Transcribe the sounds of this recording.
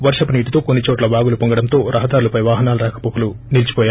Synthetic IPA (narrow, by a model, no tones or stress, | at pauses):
ʋɐɾʂɐpuniːʈit̪o̞ːko̞nːit͡ʃoːʈlɐbaːɡulupoŋɡɐɽɐnt̪o̞ːɾʔɐɦɐd̪aːɾulɐpɐjʋaːɦɐnaːluɾaːkɐ̥pokulunilt͡ʃi̥pɔːja